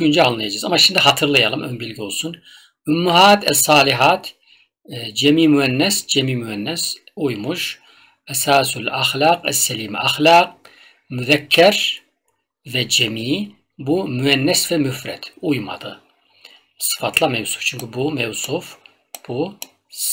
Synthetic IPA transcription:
kʰund͡ʒɛalˠnɛd͡ʒizamːaʃind̪ɨɦɑt̪ʰɨɾlˠɨjalˠɨmʔɛmbilɡʲolsun | ʔumːuhaːt̪ʰɛsˤɑːliɦaːt̪ʰ | d͡ʒɛmiːmuɛnːɛsd͡ʒɛmiːmuɛnːɛs | ʔujmuʒ | ʔɛsaːsulaxlaːqɛ̰sːɛliːmʔaxlaːq̚ | muðɛkʰːɛɾ | vɛd͡ʒɛmiː | bumuɛnːɛsvɛmufɾɛ̰t̪ujmɑ̰d̪ɨ | sɨ̥fɑt̪ʰlˠɑmɛwsu̥ft͡ʃʰuŋkʰibumɛwsuf | b̥u

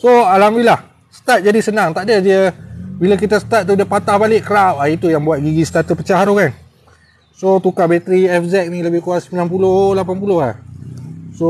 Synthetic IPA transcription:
soalamilah | sə̥t̪at̪̚d͡ʒadisənaŋt̪aʔdədəbilak̬it̪asə̥t̪at̪̚ːudəpat̪ahbalɪʔkəɾawahit̪ujaŋbuat̪̚ɡiɡist̪at̪əpət͡ʃaɦaɾukan | sot̪ukabet̪ɾiɛfzɛk̚niləbɪhkuasəmbilanpulolapanp̬ulohlah | so

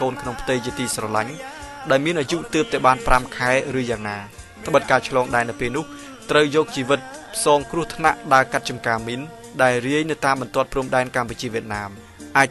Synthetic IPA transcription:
koːnkʰnoŋpʰt̪ɨjt͡ɕiət̪iːsrɑlaɲɗaɛlmiənʔaːjuʔt̪ɨːp̚t̪aɛɓaːnpramkʰaɛrɨːjaːŋnaː | t̪ʰə̆ɓət̪̚kaːt͡ɕʰlɑːŋɗaɛnɨwpeːlnʊ̆əh | t̪rəwjɔːk̚t͡ɕiːʋɨt̪̚pʰsɑːŋkrŭəht̪ʰna̰ʔɗaəkat̪̚t͡ɕɑmkaːmin | ɗaɛlriəjnɨwt̪aːmɓɑnt̪ŏət̪̚pruəmɗaɛnkamput͡ɕiəʋiət̪̚naːm | ʔaːc̚

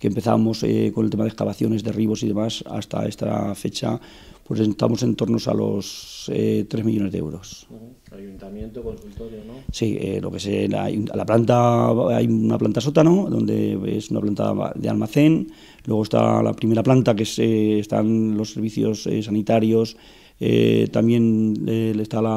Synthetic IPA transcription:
kempe̞θa̰mo̞seko̞nelt̪emaðeskaβaθjo̞ne̞zðe̞riβo̞siðemasa̰st̪a̰e̞st̪afe̞t͡ʃa̰ | pwesent̪a̰mo̞se̞nt̪o̞ɾno̞sa̰lo̞̰set̪ɾe̞zmiʎo̞ne̞zðeewɾo̞s | junt̪amjent̪okonsult̪oɾonosiḛlo̞̰keseajlaplant̪aajunaplant̪as̬o̞t̪anoðo̞̰nd̪e̞ḛsunaplant̪a̰ðe̞a̰lmaθe̞n | lwe̞ɣ̞o̞st̪a̰la̰pɾime̞ɾaplant̪akeseːst̪a̰nlo̞sːe̞ɾβiθjo̞sesanit̪aɾjo̞s | ḛt̪amje̞neest̪ala

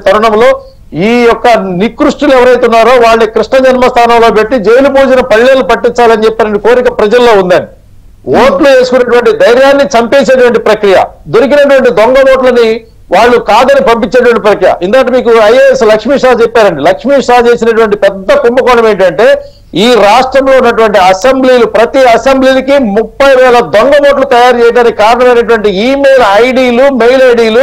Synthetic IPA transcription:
t̪ɐɾuɳɐmlo̞ː | iːjɔkːɐnikɾuʂʈuluɛʋɐɾɐjt̪unːaːɾo̞ːʋaːɭːekɾiʂɳɐd͡ʒɐnmɐst̪ʰaːnɐmlo̞ːpe̞ʈːid͡ʒejlubuːd͡ʒɐnɐpɐɭːelːupɐʈːint͡ʃaːlɐnit͡ʃɛpːaːɾɐnɖiko̞ːɾikɐpɾɐd͡ʒɐlːo̞ːund̪ɐni | oːʈlue̞ːsu̥kunːɐʈuʋɐɳʈid̪ɐjɾjaːnːit͡ʃɐmpeːseːʈ̬uʋɐɳʈipɾɐkɾijɐ̰d̪oɾikinɐʈuʋɐɳʈid̪oŋɡɐnoːʈlɐni | ʋaːɭːukaːd̪ɐnipɐmpiɲt͡ʃːeːʈ̬uʋɐɳʈipɾɐkɾijɐ̰ʔind̪aːʈɐmiːkuɐjɐeslɐkʂmiːʂaːt͡ʃepːaːɾɐɳɖilɐkʂmiːʂaːt͡ʃe̞ːsinɐʈ̬uʋɐɳʈipɛd̪ːɐkumbɐkɔɳɖɐme̞ːɳʈɐɳʈe̞ː | iːɾaːʂʈɾɐmlo̞ːunːɐʈ̬uʋɐɳʈiɐsembliːlupɾɐt̪iɐsembliːlikimupːɐjʋɛːɭɐd̪oŋɡɐmoːʈ̬lut̪ɐjaːɾt͡ʃɛːjɐʈaːnikikaːɾɐɳɐmɐjnɐʈ̬uʋɐɳʈiiːmejlɐjɽiːlumejlɐjɽiːlu

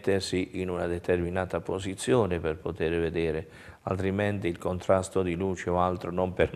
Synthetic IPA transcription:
t̪ːersiʔinunad̪ɛt̪erminaːt̪apozit̪sːjoːneperpot̪eːɾved̪ɛːɾe | a̰lt̪ɾimɛnt̪iːlkont̪ɾast̪od̪iluːt͡ʃeɔalt̪ɾonomper

